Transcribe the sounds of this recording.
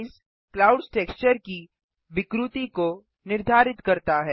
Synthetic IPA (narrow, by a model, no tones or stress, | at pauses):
ɪs | klaːʊɖsʈeːkst͡ʃəɾki | ʋɪkɾut̪iko | nɪɾd̪ʱaːɾɪt̪kɐɾt̪aɦɛː